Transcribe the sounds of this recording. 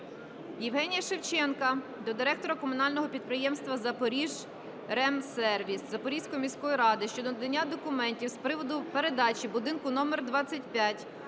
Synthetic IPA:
jɪwɦɛnʲijɐʃewt͡ʃɛnkɐ | d̪ɔd̪ɪɾɛk̚t̪ɔɾɐkɔmʊnɑlʲnɔɦɔpʲid̪̚pɾɪjɛmst̪ʋɐzɐpɔɾʲiʒ | ɾɛmsɛrʋʲiszɐpɔɾʲijsʲkɔjimʲisʲkɔjiɾɑd̪ɪʃt͡ʃɔd̪ɔd̪enʲːad̪ɔkʊmɛnʲtʲiwspɾɪʋɔd̪ʊpeɾed̪ɑt͡ʃʲibʊd̪ɪnkʊnɔmɛrd̪ʋɑt͡sʲːɐtʲpʲjatʲ

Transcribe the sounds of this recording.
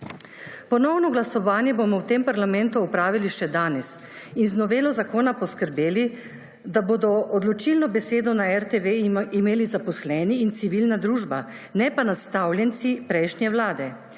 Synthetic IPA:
pɔnɔwnɔɡlasɔʋaːnjɛbomɔwt̪empaɾlamɛnt̪uɔpɾaːʋiliʃɛd̪aːnɛs | inznɔʋeːlɔzakoːnapɔskəɾbeːli | d̪aboːd̪ɔʔɔd̪lɔt͡ʃilnɔbɛseːd̪ɔnaɛɾt̪eʋeimeːlizapɔslɛniːnt̪siʋilnad̪ɾuːʒba | nɛpanast̪aːwljɛnt̪sipɾɛjʃnjɛwlaːd̪ɛ

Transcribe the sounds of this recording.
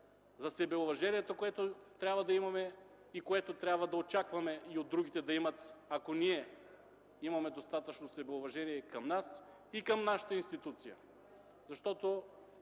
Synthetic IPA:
zɐsɛbɛovɐʒɛnijɛt̪okoɛt̪ot̪ɾʲabvɐd̪ɐimɐmɛ | ikoɛt̪ot̪ɾʲabvɐd̪ɐot͡ʃakvɐmɛiod̪ːɾuɡ̟it̪ɛd̪ɐimɐt̪akoniɛ | imɐmɛd̪ost̪at̪ɐt͡ʃnosɛbɛovɐʒɛniɛkɐmnas | ikɐmnaʃɐ̥t̪ɐinst̪it̪ut̪sijɐ̰ | zɐʃt̪ɔt̪o

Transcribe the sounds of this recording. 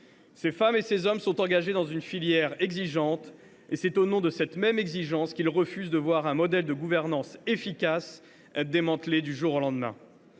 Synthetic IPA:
sefamesezɔmsɔ̃t̪ɑ̃ɡaʒed̪ɑ̃zynfiljɛʁɛɡziʒɑ̃t̪ | esɛt̪onɔ̃d̪əsɛt̪mɛmɛɡziʒɑ̃skʲilʁəfyzd̪əvwaʁɛ̃mɔd̪ɛld̪əɡuvɛʁnɑ̃sefikas | ɛd̪emɑ̃t̪led̪yʒuʁolɑ̃d̪mɛ̰̃

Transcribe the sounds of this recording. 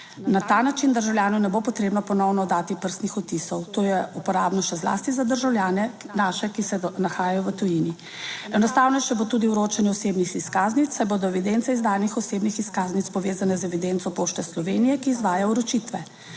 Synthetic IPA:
nat̪aːnat͡ʃind̪əɾʒawlʲjaːnunɛbopɔt̪ɾeːbnɔpɔnɔwnɔd̪aːt̪ipəɾst̪nixɔt̪isɔwt̪oːjɛupɔɾaːbnɔʃɛzla̰ːst̪izad̪əɾʒawljaːnɛ | naːʃɛkisɛnaxaːjajɔʋət̪ujini | ɛnɔst̪aːwnɔjɛt͡ʃɛbot̪uːd̪iuɾoːt͡ʃanjɛɔseːbnixiskaːznit̪ːajboːd̪ɔɛʋid̪ent̪sɛizd̪aːjnixɔseːbnixiskaːznit̪spɔʋeːzanɛzɛʋid̪ent̪sɔpoːʃt̪ɛslɔʋeːnijɛkiːzʋaːjauɾot͡ʃit̪ʋɛ

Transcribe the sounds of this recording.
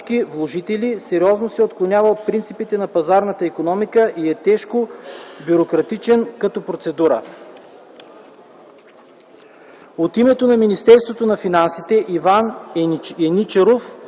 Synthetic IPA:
kivlˠoʒit̪ɛlisɛɾiɔznosɛot̪klˠonʲavɐlˠpɾint̪sipit̪ɛnɐpɐzaɾnət̪əikonɔmikəʔiɛt̪ɛʃkobuɾokɾɐt̪it͡ʃɛnkɐt̪ɔpɾot̪sɛd̪uɾə̰ | ot̪imɛt̪onɐminist̪ɛɾst̪vot̪onɐfinansit̪ɛʔivan | ɛnit͡ʃɛɾof

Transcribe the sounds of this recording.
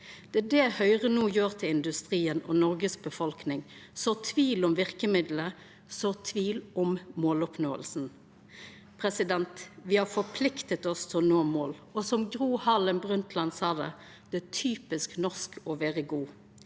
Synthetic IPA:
d̪̥ɛd̪ɛhœʏʁənuːjøːʁt̪ʰɪlɪnd̪ʉst̪ʁiːənɔ̰nɔɾɡəsbəfɔlknɪŋsɔt̪ʰʋiːlɔmʋɪʁkəmɪd̪lə | sɔt̪ʰʋiːlʔɔmmoːlɔpnoːə̰lsn̩ | pʰʁɛsɪd̪ɛnt̪ʋɪhɑfɔpʰlɪkt̪ət̪ɔst̪ʰɔnoːmoːlɔsɔmɡʁuːhɑlənbʁʉnt̪ʰlɑnsɑːd̪ɛ̰ | d̪̥ɛt̪ʰyːpɪsknɔʁskɔʋeːʁəɡuː

